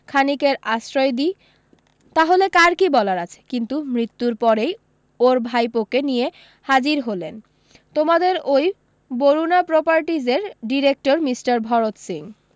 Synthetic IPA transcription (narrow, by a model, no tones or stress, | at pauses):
kʰanikeɾasɾɔjd̪i | t̪aɦolekaɾkibɔlaɾat͡ɕʰe̥kint̪umɾit̪ːuɾpɔɾej | oɾbʱajpokenije | had͡ʑiɾɦolen | t̪omad̪eɾoj | boɾunapɾopaɾʈid͡ʑeɾɖiɾek̚ʈoɾmisʈaɾbʱɔɾot̪siŋ